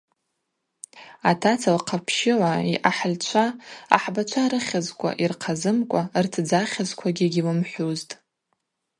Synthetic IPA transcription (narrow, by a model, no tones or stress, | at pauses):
atʰat͡sʰalqʰapʰʃɪlaiʔaħlt͡ʃʷʰa̰ːħbat͡ʃʷʰaɾɨχʲazkʷʼa̰ʔirqʰazɨmkʷʼartʰd͡zaχʲazkʷʰaɡʲɪɡʲilɨmħʷuztʼ